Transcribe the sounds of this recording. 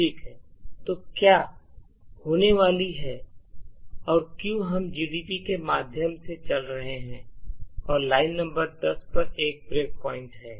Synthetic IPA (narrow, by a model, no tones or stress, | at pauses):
ʈʰiːkɦɛːt̪oːkjaː | hoːneʋaːliɦɛː | ɔːɾkjũɦɐmd͡ʒiːɖipikemaːd̪ʱjəmset͡ʃɐlɾɐɦeɦɛ̃ɔːɾlaːɪnːɐ̃mbəɾd̪ɐspɐɾeːk̚bɾeːk̚pɔːɪ̃ɳʈɦɛː